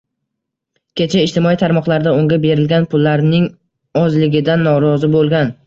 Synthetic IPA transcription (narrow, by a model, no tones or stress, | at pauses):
kʲʰe̞t͡ʃʰaɪʃt̪ɪmɒit̪ʰaɾmɒqlˠaɾd̪aʊŋɡʲabe̞ɾɪlɡʲanpʰʊlːaɾnɪŋ | ɒzlɪɡʲɪd̪anːɒɾɒzɪbolˠɡʲan